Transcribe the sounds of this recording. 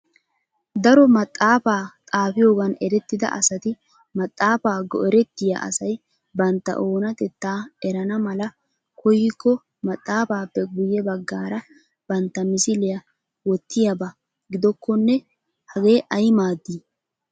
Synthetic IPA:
d̪ɐɾɔmɐt̪ʼːaːfaːt̪ʼaːfɪjo̞ːɡɐnɛɾɛt̪ːɪd̪ɐ̰ʔɐsɐt̪ɪ | mɐt̪ʼːaːfaːɡɔ̰ɛɾɛt̪ːɪja̰ʔɐ̰sɐj | bɐnt̪ːɐ̰ʔo̞ːnɐt̪ɛt̪ːaːɛɾɐnɐmɐlɐ | kʰɔjːɪkːɔ | mɐt̪ʼːaːfaːpːɛɡʊjːɛbɐɡːaːɾɐ | b̥ɐnt̪ːɐmɪsɪlɪjɐ | wɔt̪ːɪjɐbɐ | ɡɪd̪ɔkːɔnːɛ | hɐɡe̞ːʔɐjmaːd̪ːiː

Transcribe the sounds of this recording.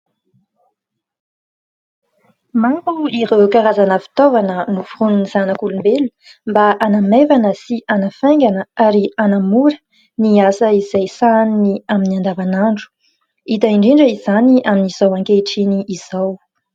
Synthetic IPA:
maŋkuiɾekaɾazanəfi̥t̪ovanənufurununiz̥anəkulumbelu | mbaʔanamevanəsiʔanəfejŋɡanəaɾianamuɾə̥ | niasəizajsanniaminiand̪avanaɳɖ͡ʐu̥ | it̪aiɳɖ͡ʐiɳɖ͡ʐəizaniaminiz̥awaŋkeʈ͡ʂiniiz̥aw

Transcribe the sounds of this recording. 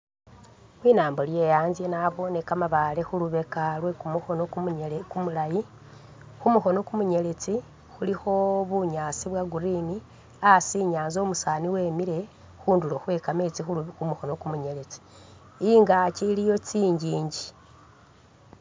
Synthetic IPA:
xwiːnaːmbolje̞ːjaːnzjenaβo̞ne̞kamaβalexuluβe̞kalwe̞kumuxo̞nokukumulaji | xumuxo̞no̞kumuɲe̞le̞t͡si | xulixo̞βuɲaːt͡siβwaɡuɾini | asiɲaːnzo̞musaniwe̞ːmiɾe̞ | xuːnduloxwe̞kamet͡siumuxo̞nokumuɲele̞t͡si̥ | iŋɡacilijo̞t͡siːɲɟiːɲɟi

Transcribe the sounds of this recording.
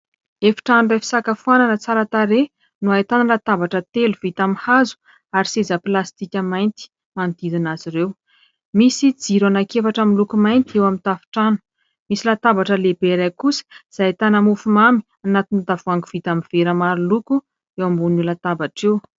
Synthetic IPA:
efi̥ʈ͡ʂanurefi̥sakafuananət͡saɾət̪aɾe | nuajt̪anilat̪abaʈ͡ʂət̪eluv̥it̪amihazu̥ | aɾisezəpilast̪ikʲəmajnt̪i̥ | mand̪id̪inaziɾew | misid͡ziɾanakefaʈ͡ʂamilukumajnt̪iewamint̪afi̥ʈ͡ʂanu̥ | misilat̪abaʈ͡ʂəlebeɾakusə̥iz̥ajt̪anamufumami̥ | anat̪inid̪avuaŋɡuv̥it̪amiv̥eɾamaɾuluku | ewambunulat̪abaʈ͡ʂew

